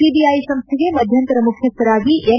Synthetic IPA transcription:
siːbiːaːisɐ̃mst̪ʰɪɡemɐd̪ʱjɐnt̪ɾɐmʊkʰjɐst̪ɐɾaːɡiʔe

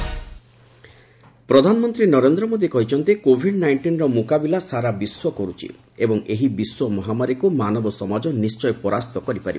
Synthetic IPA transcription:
pɾɔd̪ʱanɔmɔnt̪ɾinɔɾend̪ɾɔmod̪ikɔɦit͡ʃʰɔnt̪ikobʱiɖnajɳʈinɾɔmukabilasaɾabiswɔkɔɾut͡ʃʰḭ | ebɔŋeɦibiswɔmɔɦamaɾikumanɔbɔsɔmad͡ʒɔnist͡ʃɔjpɔɾast̪ɔkɔɾipaɾib

